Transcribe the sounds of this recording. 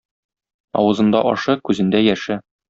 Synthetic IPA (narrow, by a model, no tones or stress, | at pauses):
ɒ̰wɤ̆zɤ̆nd̪ɑʔɒ̰ʃɤkʉzɘ̆nd̪æjæʃɘ